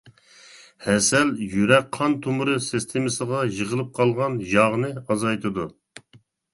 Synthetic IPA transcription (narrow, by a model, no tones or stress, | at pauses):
hɛsɛljyɾɛk̚qʰɑnt̪ʰumɾɨsɨst̪ʰɪmɨsəʁɑjəʁəlˠɨp̚qʰɑlˠʁɑnjɑʁnɨɑzɑjt̪ʰɨd̪u